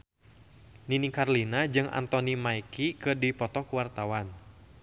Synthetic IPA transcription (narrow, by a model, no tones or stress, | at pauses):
ninikarlinad͡ʒɨŋʔa̰nt̪ɔnimaikikɨdipɔt̪ɔkuwart̪awan